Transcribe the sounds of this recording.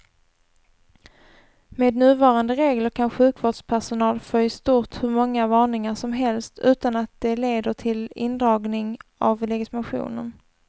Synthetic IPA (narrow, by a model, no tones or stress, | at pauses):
meːd̪nʉ̟ːvɑːɾand̪əɾeːɡləɾkʰanɧʉ̟ːkvoːɖʂpʰæʂʊnɑːlfœjst̪uːʈhɵɾmɔŋːavɑːɳɪŋaʂɔmɦɛlst̪ʰʉ̟ːt̪anat̪̚d̪̥ɛleːd̪əʈʰɪlɪ̰nd̪ɾɑːɡnɪŋʔavlɛɡɪt̪ɪmaɧṵːnə̰n